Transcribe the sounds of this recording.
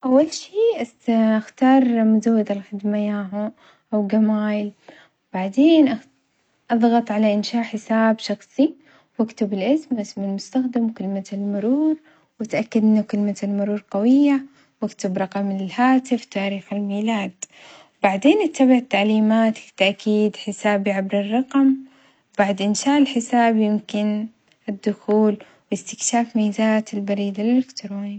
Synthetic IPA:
ʔawːalʃiːʔ | ʔaxt̪ɑːɾˤmʊzawːad̪alxɪd̪majaːɦʊ | ʔawɡamaːjɪl | wb̥aʕd̪eːnʔa | ʔɑðˤɣɑt̪ˤʕalaʔɪnʃaːʔħɪsaːbʃɑxsˤi | wakt̪ʊbɪlʔɪsmʔɪsmɪlmʊst̪axd̪ɪmwkɪlmalmʊɾuːɾ | wɪt̪ʔakːad̪ʔɪnːʊkɪlmalmʊɾuːɾqɑwɪjːa | wakt̪abɾˤɑqɑmlɪlhaːt̪ɪft̪aːɾiːxɪlmiːlaːd̪ | wbaʕd̪eːnʔɪt̪ːabaʕɪt̪ːaʕliːmaːt̪t̪ːaʔkʰiːd̪ħɪsaːbiʕabɾɪrˤːɑqɑm | wbaʕd̪ʔɪnʃaːʔɪlħɪsaːbjɪmkɪn | ʔɪd̪ːʊxuːl | wjɪst̪ɪkʃaːfmijːzaːt̪ɪlbɑɾiːd̪alɪlɪkt̪ɾoːni

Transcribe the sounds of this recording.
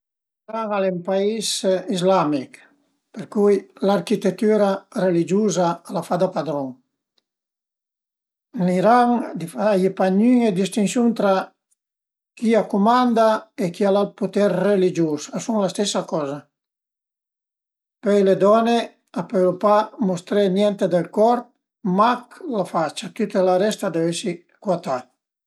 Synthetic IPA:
iɾaŋalempaisizlamik | peɾkujlaɾkit̪et̪ːyɾarelid͡ʒuzaalafad̪apad̪ɾɔŋ | liɾaŋd̪ifaajepaɲyŋed̪ist̪insjunt̪ɾa | kiakumand̪aekialalput̪ɛɾrelid͡ʒosasuŋlast̪ɛsːakɔza | pɛjled̪ɔne | apɛjlopamust̪ɾenjɛnt̪ed̪elkɔɾp̚ | maklafat͡ʃat̪yt̪elaɾɛst̪ad̪evesi | kwat̪a

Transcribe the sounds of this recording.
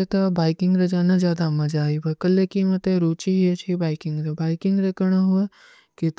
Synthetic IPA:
et̪ɐbaːɪkɪŋɡɾɐd͡ʒaːnad͡ʒjaːd̪amɐd͡ʒaːibɐkɐlːekimɐt̪eɾuːt͡ʃiɦet͡ʃʰibaːɪkɪ̃ŋɡɾebaːɪkɪ̃ŋɡɾɐkɐɽ̃aɦue | kɪt̪

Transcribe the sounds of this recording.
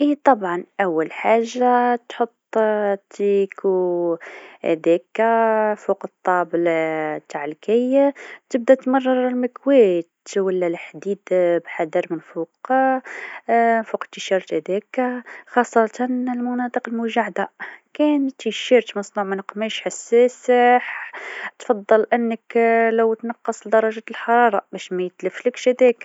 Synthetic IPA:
ʔit̪ˤɑbʕɑnʔæwːælħaʒːat̪ħot̪ˤːt̪ikʰu | hæ̰d̪ækæfuqət̪ˤːɑbəlt̪aʕəlkæjt̪əb̚d̪æt̪mɑrˤːɑɾˤlməkwæt̪wəlːælħd̪id̪bħad̪əɾmənfuq | nfuqə̥t̪ːəʃɑɾˤt̪hæd̪ækxɑsˤːɑt̪ɑnəlmʊnɑt̪ˤəqəlmʊʒaʕd̪akænt̪iʃiɾt̪mɑsˤnuʕmænəqːmæʃħasːæsəħt̪fɑd̪ˤːɑlʔənːəklæwt̪nɑqːɑsˤld̪ɑɾˤɑʒæt̪əlħɑɾˤɑɾˤɑbæʃmæjət̪ləfləkʃhæd̪æk

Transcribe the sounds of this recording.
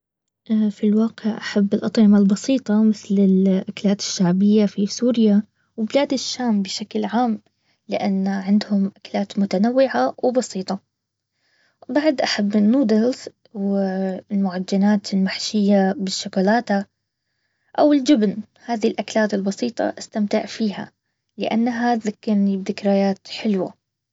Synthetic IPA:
ʔfilwaːqɪʕʔaħabːɪlʔɑt̪ˤʕɪmalbɑsiːt̪ˤɑmɪθlɪlʔakalaːt̪ɪ̥ʃːaʕbɪjːafisuːɾɪja | wɪbɪlaːd̪ɪʃːaːmbɪʃaklʕaːm | lɪʔanːaʕɪnd̪hʊmʔaklaːt̪mʊt̪anawːɪʕawɪbɑsiːt̪ˤɑ | baʕd̪ʔaħabːɪnːuːd̪ɪlz | wlmʊʕad͡ʒːanaːt̪ɪlmaħʃɪjːabɪʃːʊkuːlaːt̪a | ʔawɪld͡ʒɪbn | haːðilʔaklaːt̪ɪlbɑsiːt̪ˤɑ̰ʔast̪amt̪ɪʕfiːha̰ | lɪʔa̰nːaɦaðakːɪɾnibðɪkɾajaːt̪ħɪlwa̰

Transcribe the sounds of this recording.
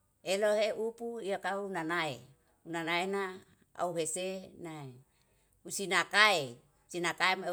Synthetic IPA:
eloɦeʔupuijakaunanae | unanaena | a̰uɦesenae | usinakae | sinakaeme

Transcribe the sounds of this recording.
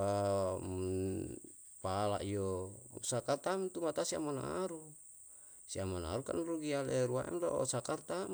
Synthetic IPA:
a | pala̰ʔijosakart̪amt̪umat̪asia̰mona̰ɾu | siamona̰ɾuka̰nɾuɡialɛɾua̰ɛ̰mlo̰ʔsakart̪am

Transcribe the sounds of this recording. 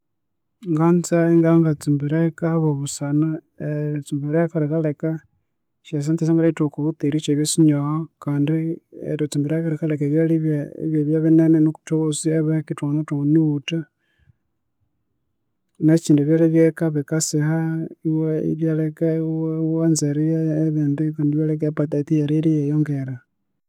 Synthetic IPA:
ŋɡant͡saiŋɡaŋɡat͡simbiɾekaβoβusana | et͡simbiɾekaɾikaleka | ʃas̬ant͡ses̬aŋɡalatukuβut̪iɾit͡ʃeβjesiɲohokaːndiḛɾot͡simbiɾakaɾikalekaβjaliβaḭβjeβjaβinenenuku̥toβosieβekituonatuoniuta | nat͡ʃiːnduβjoleβjekaβekasehaiweḭɾjalekaiwewanzeɾijaːβeːndikaːndiβjalek̬apat̪atijaɾiɾijejoŋɡeɾa

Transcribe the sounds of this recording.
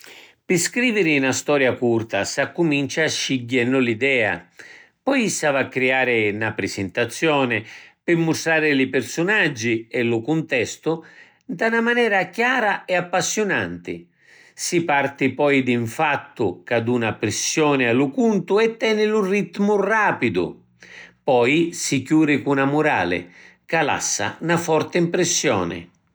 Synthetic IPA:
pɪskɾiːvɪɾɪnast̪ɔːɾjakurt̪asakːumint͡ʃaʃːiɟːɛnːʊlid̪ɛːa̰ | pɔjsavakːɾiaːɾɪnapɾɪsɪnt̪at̪sːjɔːnɪpɪmːʊst̪ɾaːɾɪlɪpɪɾsʊnad͡ʒːiɛlʊkunt̪ɛst̪ʊ | d̪anamanɛːɾakjaːɾaɛapːasːjʊna̰nt̪ɪ̰ | sipart̪ɪpɔːjd̪iɱfat̪ːʊkad̪unapɾɪsːjɔːnɪalʊkunt̪ʊɛt̪ːɛːnɪlurit̪ːmʊraːpid̪ʊ̰ | pɔjsikjuːɾɪkunamʊɾa̰ːlɪ̰ | kala̰sːa̰nafɔrt̪ɪimpɾɪsːjɔ̰ːnɪ̰

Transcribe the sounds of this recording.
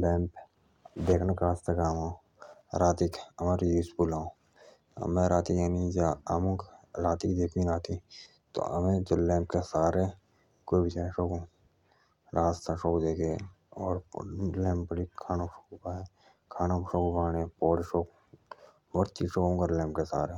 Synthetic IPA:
lɛ̃ːmp | d̪eːkʰnakaːst̪əkaːmã | ɾaːt̪ikɐmaːɾjuːspuːla̰ː | mẽɾaːt̪ijaːnid͡ʒaamũkɾaːt̪ikd̪eːkʰĩnaːt̪ʰi | t̪o̰ə̰mẽd͡ʒoːlɛ̃ːmpkesaːɾe | koibɪt͡ʃãːʃoːkõ | ɾaːst̪ʰaʃoːkd̪eːkʰẽ | ɔːɾlɛ̃ːmpəɽikʰaːnaʃoːkbaːe | kʰaːnaʃoːkubaːnẽpoːɾʃoːk | oːɾt͡ʃiʃoːkõːkəɾlɛ̃ːmpkesa̰ːɾɦɛ

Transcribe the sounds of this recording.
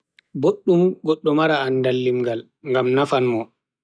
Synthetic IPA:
boɗːumɡɔɗːɔmaɾaːndalːimɡal | ŋɡamnafanmɔ

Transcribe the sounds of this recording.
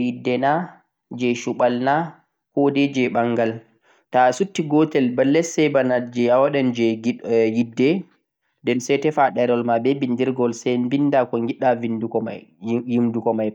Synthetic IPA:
jidːɛna | d͡ʒɛʃuɓalna | kɔdɛd͡ʒɛɓaŋɡal | tasutːiɡɔtɛlbalːɛsːɛbanad͡ʒɛawaɗɛnd͡ʒɛɡijidːɛ | dɛnsɛtɛfaɗɛɾɔlmabɛbindiɾɡɔlsɛmbindakɔŋɡiɗavindukɔjimdukɔmaj

